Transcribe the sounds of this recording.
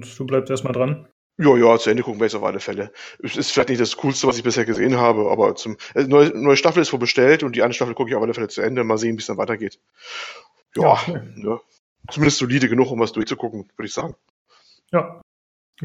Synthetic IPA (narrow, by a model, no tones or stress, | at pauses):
td̥uːblaɪstʔeːɐstmaldʁan | jaːjaːt͡suʔɛndəkʰʊkŋ̩viɐjɛt͡sʔaʊfʔa̰ləfɛləʔɛsɪstfɪlaɪçtnɪçtd̥askʰuːlstəvas̬ɪçb̥ɪsheːɐɡəzḛːənɦaːbəʔa̰ːbɐt͡sʊmʔɛnɔʏənɔʏəʃtafl̩ɪstv̥oːlbəʃtɛltʊnt̚d̥iːaɪnəʃtafl̩kʰʊkəɪçaʊfʔaləfɛlət͡suʔɛndəmaːlzeːənviːsd̥anvaɪtɐɡeːt | jaːnə | t͡sumɪndəstz̥oliːdəɡənʊχʊmvasd̥ʊɐçt͡sukʰʊkŋ̩vʏɾəɪçz̥aːɡŋ̩ | jaː